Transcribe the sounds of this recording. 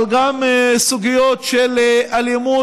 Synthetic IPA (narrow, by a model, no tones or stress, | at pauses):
lɡamsuɡijot̪ʃelaljamu